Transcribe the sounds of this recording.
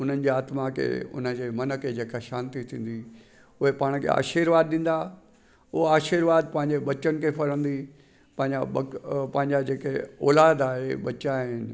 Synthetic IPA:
ʊn̤ənɪ̆d͡ʑiaːt̪mãkʰḛʊ̰nə̆d͡ʑeːmɐnə̆kʰed͡ʑeːkaʃaːnt̪it̪ʰĩːn̆d̪i | ʊɦepaːɽ̃kʰḛa̰ːʃiɾʋaːd̪ɗĩːn̆d̪a | ʊɦaːʃiɾʋaːd̪̚pɐ̃ɦɪ̃ɲd͡ʑeɓɐt͡ɕənkʰepɐɾə̃nd̪i | pɐ̃ɦɪ̃ɲaɐpɐ̃ɦɪ̃ɲd͡ʑad͡ʑeːkeɔːlaːd̪aːɦeɓɐt͡ɕaːɦɪnɪ

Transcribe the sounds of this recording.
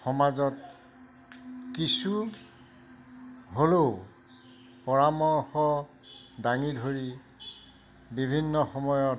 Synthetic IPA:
xɔmazɔt | kisu | ɦoloʊ | pɔɹamɔɹxɔ | daŋidʱoɹi | bibʱinːɔxɔmɔjɔ

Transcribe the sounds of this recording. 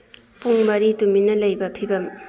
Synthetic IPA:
puŋmɐɾit̪uminɐlajbɐpʰibɐm

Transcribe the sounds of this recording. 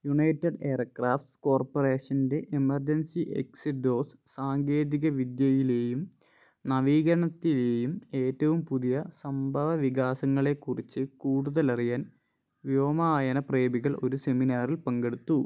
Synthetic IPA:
juɳɐjtːɐɖe̞ːɐrkraːft̪ko̞ːrporeːʂɐnde̞ʔemɐrd͡ʑɐnsiʔḛksɨɖo̞ːs | saːŋɡe̞ːðiɣɐʋid̪jɐjile̞ːjum | nɐʋiːɣɐɾɐɳɐt̪ːileːjume̞ːtːɐʋumpuðijɐsɐmbʱɐʋɐʋiɣaːsɐŋːɐɭe̞kːurit͡ɕːɨkuːɽuðɐlɐrijaːn | ʋjoːmaːjɐnɐpre̞ːbiɣɐɭo̞ɾuse̞minaːrilpɐŋɡe̞ɽut̪ːu

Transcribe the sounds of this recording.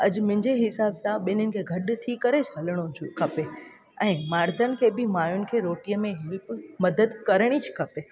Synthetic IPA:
ɐd͡ʑmʊ̃ɦɪ̃ɲd͡ʑeɦɪsaːbsãɓɪnʊnɪ̆kʰeːɡʱɐɗt̪ʰikɐɾet͡ɕʰɦɐləɽ̃od͡ʑʰukʰɐpe | ɛ̃ːmaːɾd̪ʱənɪ̆kʰeːbɪmaːjʊnɪ̆kʰeːɾoːʈijəmẽɦɪlpmɐd̪əd̪kɐɾəɽ̃id͡ʑʰu̥kʰɐpe

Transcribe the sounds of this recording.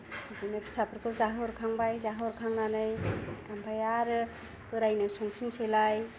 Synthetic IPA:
zinɯpʰi̥sapʰɯɾkʰɯpzaɦɯɾkʰaŋbajzaɦɯɾkʰaŋnanɯjambajaɾɯ | kɯɾajnɯjsɔŋpʰiŋselaj

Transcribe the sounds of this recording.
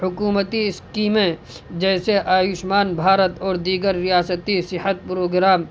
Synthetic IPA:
hʊkuːmət̪iɪskiːmẽ | d͡ʒɛːseʔaːjʊʃmaːnbʱaːɾət̪ɔːɾd̪iːɡəɾːijaːsət̪isɪhət̪̚pɾoːɡɾaːm

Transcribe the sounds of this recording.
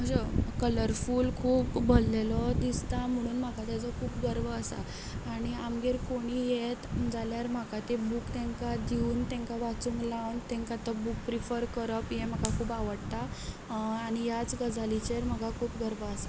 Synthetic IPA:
m̤əd͡zəkələɾfuːlkʰuːpbollelɔd̪ist̪am̤əɽ̃uːnm̤akat̪jat͡sɔkʰuːpɡəɾʋəːsa̰ː | ɽ̃iamɡeɾkoɽ̃iːjet̪d͡zaljaɾm̤akat̪ebukt̪ɛ̃ŋkad̪iuːnt̪ɛ̃ŋkaʋat͡sũŋɡlawnt̪ɛ̃ŋkat̪əbuk̚pɾifəɾkəɾəpjem̤əkakʰuːpaʋəɽt̪a | aɽ̃ijat͡sɡəd͡zalit͡ɕeɾm̤əɡakʰuːpɡəɾʋəːsḁ

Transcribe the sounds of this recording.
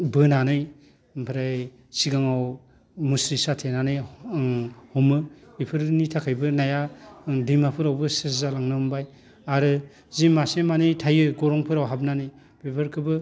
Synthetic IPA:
bɯnanɯj | pʰɯɾaj | siɡaŋaw | musɾisatʰenanɯj | hɔmɯipʰɯɾnitʰakʰajbɯnajadiŋmapʰɯɾawbɯseszalaŋnɯmbaj | aɾɯ | zimasemanɯjtʰajɯɡɔɾɔŋpʰɯɾawɦab̚nanɯj | bebaɾkʰɯbɯ

